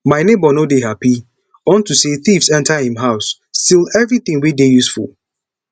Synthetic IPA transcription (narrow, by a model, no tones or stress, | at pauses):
maɪnebɔnodeɦapi | ɔ̃ntuseθifsɛ̃ntahĩmɦaʊs | tilɛvɹiθĩŋwidejusfṵlˠ